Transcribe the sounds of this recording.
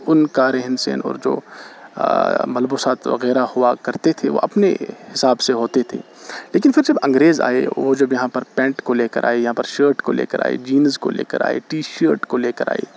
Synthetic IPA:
ʊnkaɾɛɦɪnsɛ̰ːnɔ̰ːɾd͡ʒo̰ː | mɐlbusaːt̪ʋɐ̰ɣɛːɾahʊakɐɾt̪et̪ʰeʋo̰ʔɐpnḛhɪsaːbseɦoːt̪et̪ʰḛːleːk̬ɪnfɪɾd͡ʒɐbɐ̃ŋɡɾeːza̰ːḛʋod͡ʒɐbjɐɦãpɐɾpɛ̃ːɳʈkoleːkɐ̰ɾʔa̰ːejɐɦãpɐɾʃəːɾʈkolḛːkɐɾa̰ːḛd͡ʒiːnzko̰lḛːkɐ̰ɾa̰ːḛʈiːʃəːɾʈkoleːkɐɾʔa̰ːḛː

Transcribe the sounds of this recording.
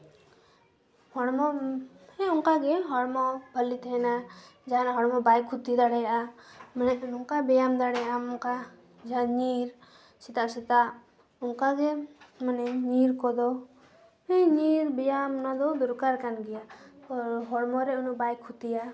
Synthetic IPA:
hɔɽmɔhɛuŋkaɡɛɦɔɽmɔbʱəlit̪ʰɛɛnad͡ʒaɦanɦɔɽmɔbajkʰut̪id̪aɽɛjaʔamanɛunuŋkabɛjamd̪aɽɛjaʔamɔŋka | d͡ʒanɲiɾ | sɛt̪aʔsɛt̪aʔ | uŋkaɡɛmanɛɲiɾkɔd̪ɔ | ɛɲiɾbɛjamnad̪ɔd̪ɔɾkaɾkanɡɛjaʔɔɾɦɔɽmɔɾɛunuʔbajkʰːut̪ija

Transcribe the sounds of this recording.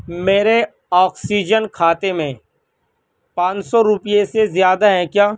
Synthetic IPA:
meːɾe | ɔːksiːd͡ʒənkʰaːt̪emẽ | pãːt͡ʃsɔɾʊpɪjesezjaːd̪aɦɛ̃kjaː

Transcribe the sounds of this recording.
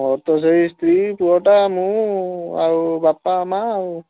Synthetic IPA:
ɔɾt̪ɔs̬ɔist̪ʰɾipuɔʈamũ | a̰ɹubapamau

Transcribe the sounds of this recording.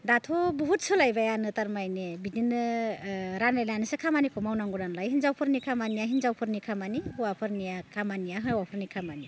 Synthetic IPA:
datʰɔbɔɦut̚sʰɯlajbajanɯtaɾmajnebidinɯ | ɾanlelanisekʰamanikʰɔmawnaŋɡudanlajɦinzawpʰɯɾnikʰamanijaɦinzawpʰɯɾnikʰamaniuwapʰɯɾnijakʰamaniaɦɯwapʰɯɾnikʰamani

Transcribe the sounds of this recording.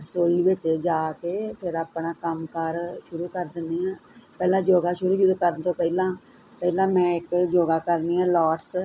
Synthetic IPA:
ɾsoːɽiːʋɪt͡ʃd͡ʒaːkeːpʰɪɾəpɳaːkəmkəɾʃʊɾuːkəɾd̪ɪnːiːãːpɛːlãːd͡ʒoːɡaːʃʊɾuːd͡ʒʊd̪kəɾənt̪ʰoːpɛːlãː | pɛːlãːmɛ̃ːɪkd͡ʒoːɡaːkəɾniːãːlɔːʈs

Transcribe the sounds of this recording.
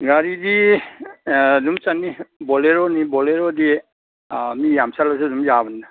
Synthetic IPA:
ɡaɾidi | dumt͡ʃanibɔleɾɔnibɔleɾɔdi | mijamsalasudumjabanːa

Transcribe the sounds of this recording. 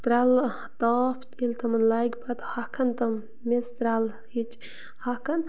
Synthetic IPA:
t̪ɾal | t̪aːpʰt̪ilt̪ʰɐmɐnlaɡʲpɐt̪hɐkʰɐnt̪ɐm | mest̪ɾal | hit͡ʃ | hɐkɐn

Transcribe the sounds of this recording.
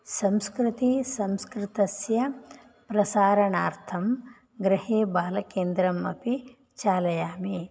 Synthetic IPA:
sɐmskɾɪt̪isɐmskɾɪt̪ɐsjɐ | pɾɐsaːɾɐɳaːɾt̪ʰɐm | ɡɾɪheːbaːlɐkeːnd̪ɾɐmɐ̰pi | t͡ʃaːlɐjaːme

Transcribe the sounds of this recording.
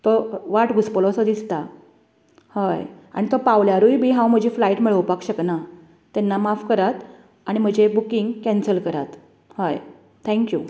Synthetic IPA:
t̪ɔʋaʈɡʱuspəlɔsəd̪ist̪a | haja̰ɽ̃it̪ɔpaʋljaɾujbʱiːɦãwm̤əd͡ʑiflaiʈmiɭəʋpakɕəkna | t̪ɛnːamafkəɾat̪ | aɽ̃im̤əd͡ʑebukiŋɡkɛ̃nsəlkəɾa̰t̪ | haj | t̪ʰɛ̃ŋkju

